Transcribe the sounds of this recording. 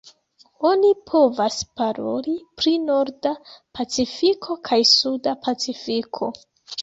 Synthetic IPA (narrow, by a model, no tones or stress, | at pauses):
o̞nipʰo̞vaspaɾo̞̰lipɾino̞ɾdapat͡sifikʰo̞kʰajsudapʰat͡sifikʰo̞